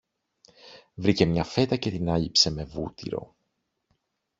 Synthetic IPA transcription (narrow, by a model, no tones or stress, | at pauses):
vɾice̞mɲɐfe̞t̪ɐce̞t̪inɐʎipse̞me̞vṵt̪ḭɾo̞̰